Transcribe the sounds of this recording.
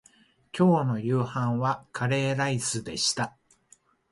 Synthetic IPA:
kʲo̞ːno̞jɯːhãɰ̃βakʰaɾe̞ːɾaisɨd̪e̞ɕi̥t̪a

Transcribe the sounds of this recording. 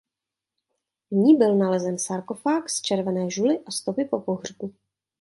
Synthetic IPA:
ɲiːbɪlnalɛzɛnsaɾko̞faːkst͡ʃɛɾvɛnɛːʒulɪʔast̪o̞pɪpo̞poɦr̝̥ku

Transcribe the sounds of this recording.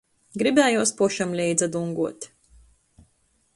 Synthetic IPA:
ɡɾibʲɛːjuːspuʃamlʲɛjd̪zad̪uŋɡuɔt̪

